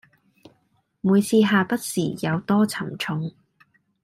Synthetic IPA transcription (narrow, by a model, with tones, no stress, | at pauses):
muː˨˧jt͡sʰiː˧ɦaː˨pɐ˥t̚sḭː˨˩jɐ˨˧wt̪ɔː˥t͡sʰɐ˨˩mt͡ʃʰʊ˧ŋ